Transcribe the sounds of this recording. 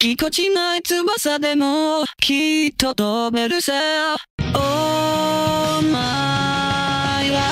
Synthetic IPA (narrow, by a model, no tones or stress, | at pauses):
ikot͡ɕinait͡sɨbasad̪emokʲʰit̪ːot̪obeɾɯse | o | ma | ia